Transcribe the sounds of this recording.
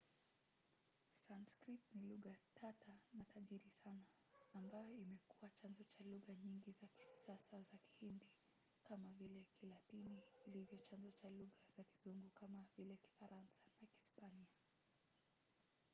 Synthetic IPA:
sanskɾitniluɣatʰatanataʄiɾisanaː | mbajɔimɛkuwat͡ʃanzɔt͡ʃaluɣaɲiŋɡizaki̥sasazaki̥hindi | kamavilɛkilatiniːlivjɔt͡ʃanzɔt͡ʃaluɣaz̥aki̥zuŋɡukamavilɛjaki̥faɾansḁnakispania

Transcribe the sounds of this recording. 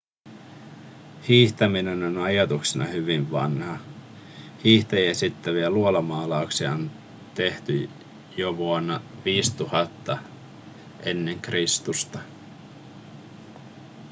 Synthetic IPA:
hiːht̪æmine̞no̞nɑjɑt̪uksinɑ̰hyʋiɱʋɑ̰nhɑ | hiːht̪ejesit̪ːæʋiæluolɑmɑːlɑuksiɑon | t̪e̞ht̪y | joʋuonːɑʋiːst̪uhɑt̪ːɑ | ʔe̞nːe̞ŋkrist̪ust̪ɑ

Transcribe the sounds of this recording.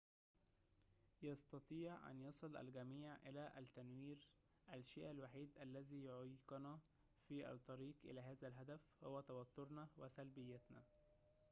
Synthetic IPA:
jɑst̪ɑt̪ˤiːʕʔæ̰njɑsˤɨlʔæ̰lɡæmiːʕʔɪlæʔæt̪ːænwiːɾ | ʔælʃḛːʔælwaħiːd̪ʔælːæziːjoʕjqɑnæ | fiʔæ̰t̪ˤːɑɾiːqʔɪ̰læːɦæːzælɦæd̪æfhowːæt̪æwæt̪ːoɾnɑwesælbɪjːæt̪næ̰

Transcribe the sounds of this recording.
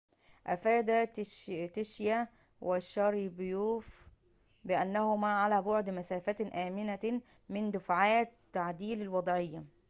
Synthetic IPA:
ʔæfæːd̪æt̪ɪʃjæ | wʔɪʃɑɾibjuːf | bɪʔænːæhʊmæːʕalæːbʊʕd̪mæsæːfæt̪ʔæːmɪnæ | mɪnd̪ʊfʕaːt̪ːaʕd̪iːlɪlwɑd̪ˤʕɪjːa

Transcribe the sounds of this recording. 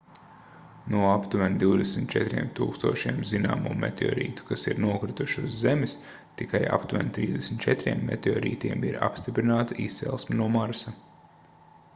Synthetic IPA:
nuɔapt̪uʋɛnd̪iwd̪ɛsm̩t̪̚t͡ʃɛt̪ɾʲiɛmt̪uːkst̪uɔʃiɛmzina̰ːmṵːmɛ̰t̪ʲɔ̰ːɾḭːt̪u̥kasḭɾnuɔkɾit̪uʃuzːemɪs | t̪ikaja̰pt̪uvɛ̰nt̪ɾiːd̪ʲesmn̩t̪t͡ʃɛt̪ɾiɛmːḛt̪ʲɔːɾḭːt̪iɛmiɾa̰pst̪ipɾinaːt̪aʔist̪sɛ̰lˠsminuɔmaɾsa

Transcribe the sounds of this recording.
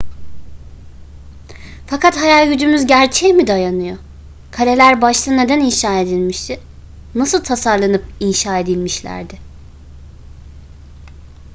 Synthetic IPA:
fakʰat̪hajalʲˠɟyd͡ʒymyzɟæɾt͡ʃʰɛmid̪ajanɯjo̞ | kʰalʲe̞lʲæɾbaʃlˠɯne̞d̪æninʃaːe̞d̪ilʲmiʃt̪ʰɪ | nasɯlˠt̪ʰasaɾlˠanɯp̚inʃaːe̞d̪ilʲmiʃlʲæ̰ɾd̪ɪ

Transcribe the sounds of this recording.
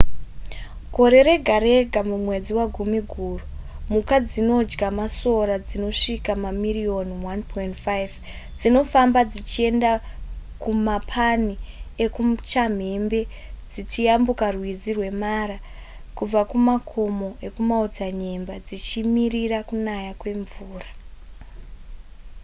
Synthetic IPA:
ɡʱo̞ɾe̞ɾe̞ɡʱaɾe̞ɡʱamumwe̞d͡ziwaɡʱumiɡʱuːrumukad͡zino̞d͡ʒɡamaso̞ɾad͡zino̞ʂikamamirio̞nwanpʰointfajv | d͡zino̞fambad͡zit͡ʃie̞ndakumapʰaniekut͡ʃam̤e̞mbe̞ | d͡zit͡ʃijambukarwizirwe̞maɾa | kub͡vakumakʰo̞mo̞ʔe̞kumaod͡zaɲembad͡zit͡ʃimiriɾakunajakwe̞ɱvuːra

